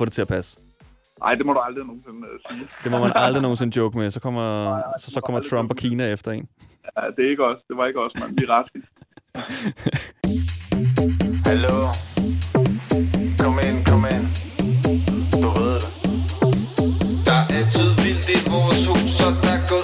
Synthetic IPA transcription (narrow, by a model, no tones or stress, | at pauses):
fɔ̽ːd̥e̝t͡sʰe̝ɐpʰæs | nɑ̈ɪ̰d̥e̝mɔɾuɑ̈ld̥ʁihæno̝ːn̩se̝nəmeæsiːd̥e̝mɒmænɑld̥ʁino̝ːn̩se̝nəd̥jɔɡ̥əmesɒ̽kʰɒ̽m̰ɐsɒ̽sɒkʰɒ̽m̰ɐt͡sʰʁɒ̽mb̥ɒkʰiːnæefd̥ɐe̝̰næd̥e̝æe̝ɡ̥əɒ̽sd̥e̝ʋɑ̈e̝ɡ̥ɒ̽smændiʁɑsɡ̥ə | hælo | kʰɒmenkʰɒmen | d̥uʋeð̰ˠd̥e | d̥ɑ̈ʔæt͡sʰyðˠʋild̥imoːsu̥sɒ̥æɡ̥o